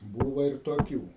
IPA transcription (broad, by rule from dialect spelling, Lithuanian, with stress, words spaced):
ˈbuːʋɐ ɪr toːˈkʲuː